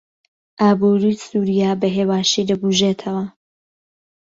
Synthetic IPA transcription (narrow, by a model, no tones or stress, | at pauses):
ʔaːbuɾisuːɾijaːbɐɦeːwaːʃid̪ɐɡuʒet̪ʰɐwɐ